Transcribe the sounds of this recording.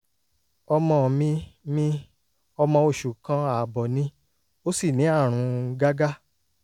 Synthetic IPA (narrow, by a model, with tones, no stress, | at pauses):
ɔ˧mɔ̃˧˦˨mĩ˧˦mĩ˦ | ɔ˧mɔ̃˧o˧˨ʃu˨kã˧a˨bɔ˨nĩ˧˦ | o˦si˦˨nĩ˨˦a˦˨ɾ̃ũ˨˧˦ɡa˦ɡa˦